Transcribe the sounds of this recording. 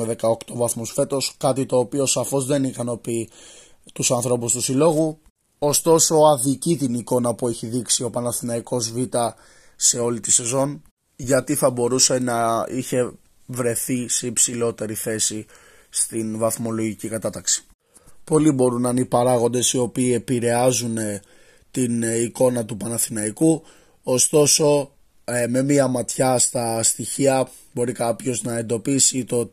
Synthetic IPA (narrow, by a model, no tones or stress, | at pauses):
eðe̞kɐokt̪o̞vɐθmusfe̞t̪o̞skɐt̪it̪o̞ːpio̞sɐfo̞zðe̞nikɐno̞pi | t̪usɐnθɾo̞pust̪usilo̞ɣu | ost̪o̞so̞ɐðicit̪iniko̞nɐpue̞çiðiksio̞pɐnɐθinɐiko̞zvit̪ɐ | se̞o̞lit̪i̥se̞zo̞n | ʝɐt̪iθɐbo̞ɾuse̞nɐiçe̞ | vɾe̞θiseipsilo̞t̪e̞ɾiθe̞si | st̪invɐθmo̞lo̞ʝicikɐt̪ɐt̪ɐksi̥ | po̞libo̞ɾunɐnipɐɾɐɣo̞nd̪e̞sio̞piːe̞piɾe̞ɐzune̞ | t̪iniko̞nɐt̪upɐnɐθinɐiku | ost̪o̞so̞ | me̞miɐmɐt̪çɐst̪ɐst̪içiɐ | bo̞ɾikɐpço̞znɐe̞nd̪o̞pisit̪o̞